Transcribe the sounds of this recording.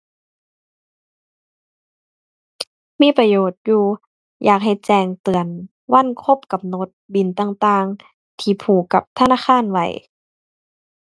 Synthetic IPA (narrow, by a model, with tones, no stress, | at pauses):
miː˧˥˨pa˧joː˨˩t̪̚juː˧ | jʔaː˨˩k̚ɦa˨˩jt͡ɕɛː˧˩ŋt̪ɯ˨˩ən | wa˧˥˨nkʰo˧˥˨p̚ka˧mno˧˦t̪̚bi˨nt̪aː˧˩ŋt̪aː˧ŋ | t̪ʰiː˧˩pʰuː˨˩kːa˧˦p̚t̪ʰa˧naː˧˥˨xʰaː˧˥˨nwa̰˧˩j